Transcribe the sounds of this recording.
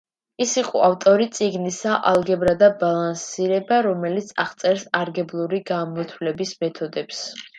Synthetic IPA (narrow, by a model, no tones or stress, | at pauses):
isiqʼɔ̰aft̪ʼɔɾit̪sʼiɡnisaʔalˠɡɛbɾad̪abalˠansiɾɛbaɾɔmɛlit̪sʰaʁt̪sʼɛɾsaɾɡɛblˠuɾiɡamɔt̪ʰwlɛbismɛt̪ʰɔd̪ɛps